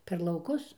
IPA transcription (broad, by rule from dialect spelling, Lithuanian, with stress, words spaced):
pʲɛr lˠɐʊˈkʊs